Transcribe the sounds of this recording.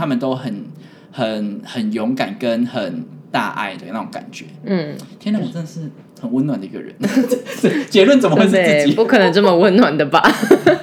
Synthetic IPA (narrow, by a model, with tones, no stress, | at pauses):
a˥mə˨nt̪o˥˦ʊxə˨˩˦n | xə˨˩nhə˨˩njɔ˧˥ŋka˨˩nkə˦nxə˨˩nt̪a̰˥˧ʔa̰˥˩ɪd̪ə˨˩˧na˥˩o̰˧ŋka̰˨˩nt͡ɕɥɛ˨˦n̩ʰ˥˩˥na˥˩wɔ˨˩t͡sə˥nd̪ə˨˩ʂɻ̩˥˩ | xə˨˩nwə˦nwa˨˩nd̪ə˩i˧˥ɡə̰˨˩ɻə̰˧˦n˥ | t͡ɕɛ˧˥lwə˥˨nt͡sə˨˩mə˦we˥˧t͡sːe˥t͡sɨ˩t͡ɕi˨pu˥˩kʰɤ˨˩nə˧˦ŋt͡sə˥˩mə˨wə˦nnwa˨˩nd̪ə˩ba˨